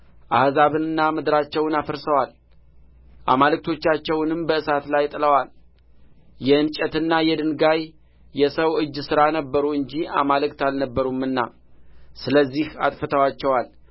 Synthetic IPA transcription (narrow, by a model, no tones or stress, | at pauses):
ʔahzaβɨnɨnːamɨd̪ɨɾat͡ʃːɛwnafəɾsəwal | ʔa̰malɨk̚t̪ʰo̞t͡ʃːat͡ʃːɛwnɨmbəɨsat̪lajt̪ʼɨləwal | jɛɨnt͡ʃʼɛt̪ɨnːajɛd̪ɨnɡaj | jɛsəwʔɨd͡ʒːsɨɾanəbːəɾuɨɲd͡ʒia̰malɨkt̪alnəbːəɾumɨnːa̰ | sɨləzːiha̰t̪ʼfət̪ʰəwat͡ʃːɛwal